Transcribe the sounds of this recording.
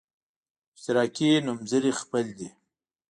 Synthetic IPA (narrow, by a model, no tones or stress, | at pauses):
ft̪ɪɾɑːkinumzəɾixpəld̪i